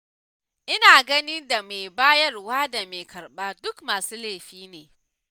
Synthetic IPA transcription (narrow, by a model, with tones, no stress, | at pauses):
ʔɪ˦naː˨ɡɐ˦ni˦da˨me˨jbaː˦jɐ˦rwaː˦da˨me˨kɐ˨rɓaː˦dʊ˦kmaː˨suː˦leː˦˨ɸiː˦neː˨